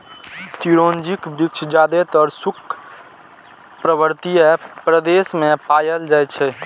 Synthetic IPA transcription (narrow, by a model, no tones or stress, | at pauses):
t̪iɾond͡ʒikbɾik̚t͡ʃʰd͡ʒad̪et̪ɔɾsukʰ | pɾəbəɾt̪ijəpɾəd̪esmẽpajəld͡ʒajt͡ʃʰɛ